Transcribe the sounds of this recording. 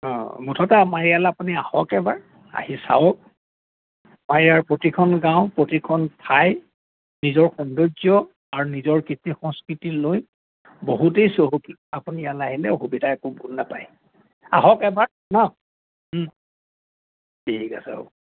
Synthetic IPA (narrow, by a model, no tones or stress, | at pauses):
ɔ̃mutʰɔtaːmaɹijalapuniahɔkɛbaɹ | a̰hisa̰wɔk | maɹijaɹpɹotikʰɔnɡãʊ̃pɹotikʰɔnpʰaj | nizɔɹxɔndozɔ | aɹunizɔɹkitixɔŋskɹitiloj | boɦutejsoɦoki | apunijalaɦilɛxubidʱaɛkubunːapaj | a̰ɦɔkɛbaɹ | na | beikasɛ̰o̰